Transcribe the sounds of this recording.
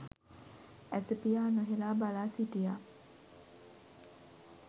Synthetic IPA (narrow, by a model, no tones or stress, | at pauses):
æsəpijaːnoɦelaːbalaːsiʈijaː